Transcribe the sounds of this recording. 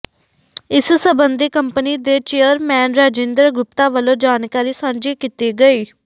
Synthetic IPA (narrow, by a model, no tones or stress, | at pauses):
ɪssəbənd̪iːkəmpəniːd̪eːt͡ʃeːjəɾmɛːnɾaːd͡ʒẽːnd̪ɾəɡʊpt̪ãːʋəlõːd͡ʒaːnkaːɾiːsãːmd͡ʒeːkit̪eːɡəeː